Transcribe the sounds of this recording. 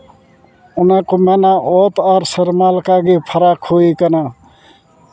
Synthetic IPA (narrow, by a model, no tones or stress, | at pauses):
ʊnãkomenaʔɔːt̪aːɾsəɾmaːlkaːɡipʰəɾaːkʰːoːikənaː